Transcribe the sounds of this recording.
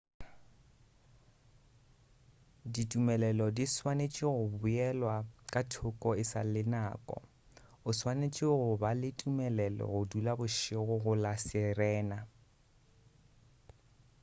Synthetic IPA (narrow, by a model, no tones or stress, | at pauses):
ditʼumɛlɛlɔdiswanet͡ʃʼɪɣʊbʊɛlwakʼatʰʊkʼɔɪsalɪnaːkʼɔ̰ | ʊswanet͡ʃʼɪɣʊbalɪtʼumɛlɛlɔ̰ɣʊdulabʊʃɪɣʊɣʊlasɛrɛːna